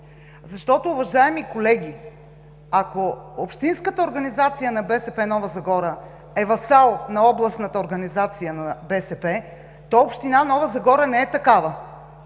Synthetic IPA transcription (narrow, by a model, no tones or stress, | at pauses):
zɐʃt̪ɔt̪oːvɐʒaɛmikolɛɡʲi | akoopʃt̪inskət̪əoɾɡɐnizat̪sijənɐbɛsɛpɛnɔvəzɐɡɔɾə | ɛvɐsalˠnɐɔblˠɐsnət̪əoɾɡɐnizat̪sijənɐbɛsɛpɛ | t̪ɔopʃt̪inanɔvəzɐɡɔɾənɛɛt̪ɐkavə